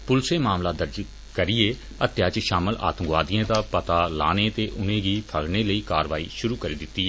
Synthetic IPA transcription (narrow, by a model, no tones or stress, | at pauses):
pʊlseːmaːmlaːd̪əɾd͡ʒ | kəɾɪeː | ət̪jaːt͡ʃʃaːməlʔa̰ːt̪əŋɡʋaːd̪ɪãːd̪aːpət̪aːla̰ːneːt̪eːʔʊnẽːɡiːpʰəɽneːləiːkaːɾʋaːḭːʃʊɾuːkəɾeːd̪ɪt̪ːiːɛː